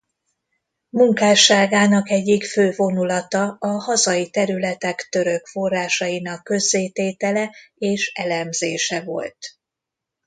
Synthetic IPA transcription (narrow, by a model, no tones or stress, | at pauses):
muŋkaːʃaːɡaːnɒkɛɟːikføːvo̞nulɒt̪ɒɒhɒzɒjit̪ɛɾylɛt̪ɛkt̪ø̞ɾø̞kfo̞rːaːʃɒjinɒkːø̞zːeːt̪eːt̪ɛlɛeːʃɛlɛmzeːʃɛvo̞̰lt̪